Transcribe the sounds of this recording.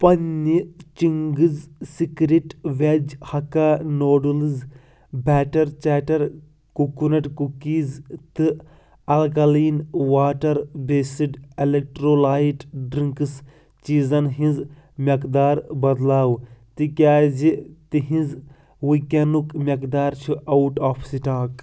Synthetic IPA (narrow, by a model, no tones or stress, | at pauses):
pɐnːit͡ʃiŋɡɨzsikɾiʈʋʲɐd͡ʒhɐkaːnoːɖulɨz | bɛːʈɐɾt͡ʃaːʈɐɾ | kukunɐʈkukiːzt̪ɨ | ɐlkɐliːnwaːʈɐɾbeːsiɖelek̚ʈɾoːlaːiʈɖɾiŋkɨs | t͡ʃiːzɐnɦĩnz | mʲɐkd̪aːɾbɐd̪laːwt̪ikʲaːzit̪iɦĩz | wikʲɐnukmʲɐkd̪aːɾt͡ʃʰuʔɐuʈaːpʰsiʈaːk